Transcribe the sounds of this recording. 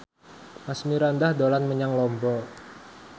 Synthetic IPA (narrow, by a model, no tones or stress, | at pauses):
masmiɾand̪ahd̪olanməɲaŋlɔmbɔ